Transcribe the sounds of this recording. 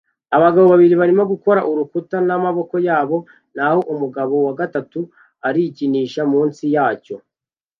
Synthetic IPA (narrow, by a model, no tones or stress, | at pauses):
aβaɡaβo̞βaβiɾiβaɾimoɡuko̞ɾaʔuɾukutanamaβo̞ko̞jaːβo̞ | naho̞ʔumuɡaβo̞waɡatatu | aɾiciniːʃamuːnsijaːco̞